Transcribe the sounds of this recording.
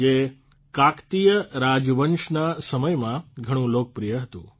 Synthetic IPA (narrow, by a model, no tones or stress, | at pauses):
e | kakt̪ijəɾad͡ʒʋənʃnasəməjmãɡʱəɽ̃ũlok̚pɾijəɦət̪ṵ̃